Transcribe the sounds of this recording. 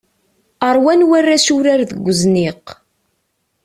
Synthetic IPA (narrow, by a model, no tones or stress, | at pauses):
əɾˤwænwærːasuɾaɾðəɡʷːəzniq